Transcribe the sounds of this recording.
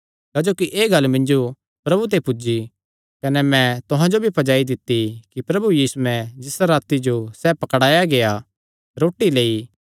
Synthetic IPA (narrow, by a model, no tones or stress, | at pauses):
kaːd͡ʒoːkiʔeːɡɐlmɪ̃nd͡ʒo | pɾɐbut̪̬epʊd͡ʒi | kɐnɛmɛ̃t̪ʊɦãd͡ʒobʱipʰɐd͡ʒaːid̪ɪt̪ːikipɾɐbujiːsuɛ̃d͡ʒɪsaɾaːt̪id͡ʒosɛpɐkɽaːjaɡeja | ɾoːʈːileːi